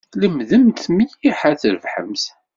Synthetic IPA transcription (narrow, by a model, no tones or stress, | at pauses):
ləmðəmt̪mijiħaθəɾəvħə̰mθ